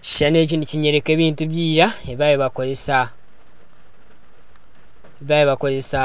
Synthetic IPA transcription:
ci̥ʃane̞ːciniciɲe̞ɾe̞ke̞ːβiːntuβjiːɾaeβajiβako̞ze̞sa | eβajiβako̞ze̞sa

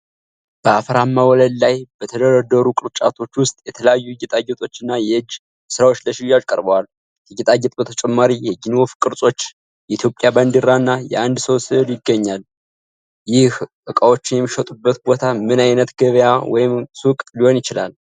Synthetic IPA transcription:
b̥əafɾamːawɔləd̪lajb̥ət̪ʰəd̪əɾəd̪ːəɾukʼɨɾt͡ʃʼa̰t̪ʰo̞t͡ʃːwʊst̪ʼjɛt̪ʰələjajːujɛt̪ʼaɡɛt̪ʼo̞t͡ʃːɨnːajɛɨd͡ʒː | sɨɾawo̞t͡ʃːləʃɪjːad͡ʒkʼəɾbəwal | jɨɡɛt̪ʼaɡɛt̪ʼbət̪ʰət͡ʃʼɛmːaɾijɛɡinwofkʼɨɾsʼo̞t͡ʃː | jɛit̪jo̞pʼjabənd̪ɨɾːaɨnːajɛ̰and̪səwsɨɨljɪɡːəɲːal | jɪhʔɨkʼawo̞t͡ʃːɪnjɛmːiʃət̪ʼubːət̪bo̞t̪ʰamɨnajnət̪ɡəβjawɔ̰jɪmsukʼliho̞njɪt͡ʃɪla̰l

